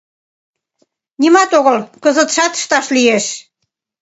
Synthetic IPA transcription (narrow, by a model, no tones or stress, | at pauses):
nimɑt̪oɣəlkəzə̆t̪ʃɑt̪ə̥ʃt̪ɑʃlieʃ